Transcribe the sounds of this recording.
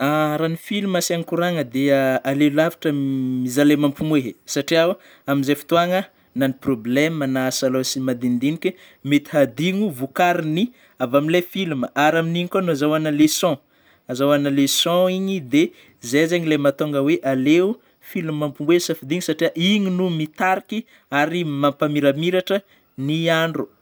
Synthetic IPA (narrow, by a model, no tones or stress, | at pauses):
aɾanifiluməsiaŋikuɾaŋəd̪eaalelavi̥ʈ͡ʂəmizalemampumeɦesaʈ͡ʂiawa | aminzefi̥t̪uaŋə | naniproblɛmanasalosimad̪ind̪inikʲe | met̪i̥had̪iŋuvukaɾini | avamilefiluməʔaɾaminiɲikanuazawanəlesɔ̃ | azawanəlesɔ̃iɲid̪e | zezeɲilejmat̪oŋɡəweʔaleu | filummampumweɦsafid̪iŋusaʈ͡ʂiaʔiɲinumit̪aɾikʲi | aɾimampamiɾamiɾaʈ͡ʂə | niaɳɖ͡ʐu